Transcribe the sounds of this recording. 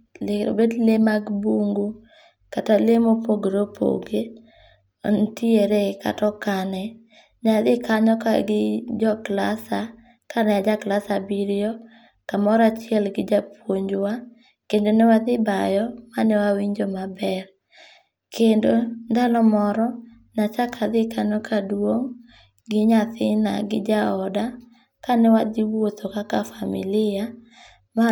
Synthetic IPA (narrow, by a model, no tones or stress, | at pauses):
leo̰bedlemaɡbuŋɡu | katalemopoɡeɾopʰo̰ɡe | o̰ntieɾeka̰tɔkanɛ | ɲad̪ɪkaɲɔka̰ɡɪd͡ʒɔklasa | kanɛjad͡ʒaklasabiɾjɔ | kamɔɾat͡ʃɪɛlɡɪd͡ʒapwoɲd͡ʒwa | kendonɛwad̪ɪbajɔmanɛwawiɲd͡ʒomabɛr | kʰendondalɔmɔɾɔ | nat͡ʃakʰad̪ɪkanɔkʰadwoŋ | ɡɪɲaθɪna̰ɡɪd͡ʒaɔda | kanɛwadɪwot̪ʰokakafamɪ̰lɪa | ma